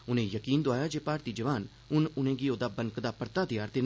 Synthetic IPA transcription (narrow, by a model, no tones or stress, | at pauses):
ʊnẽːjəkiːnd̪oʊaːjaːd͡ʒeːpaːɾt̪iːd͡ʒəʋaːn | ʊnʊnẽːɡiːoːd̪aːbəŋkd̪aːpəɾt̪aːd̪ɪjaːɾt̪eːn